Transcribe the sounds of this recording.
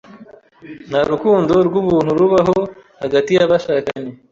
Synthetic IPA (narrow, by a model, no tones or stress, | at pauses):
n̥haɾukuːndo̞ɾɡuβuːn̥huɾuβaɦo̞haɡatijaβaʃaːkaɲe